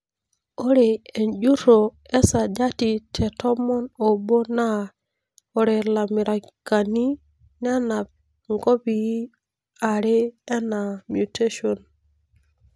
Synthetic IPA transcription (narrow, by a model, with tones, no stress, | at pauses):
o˦ɾe˨e˨nd͡ʒu˦ɾo˨e˦sa˨d͡ʒa˦ti˨tʰe˨to˦mo˦no˨bo˦na˦ | o˨ɾe˨la˨mi˨ɾa˨ | ka˨ni˦ | na˦na˨b̚ | ŋɡo˦bi˨ji˦ | a˨ɾe˦e˦na˨mju˨te˦ʃo˨n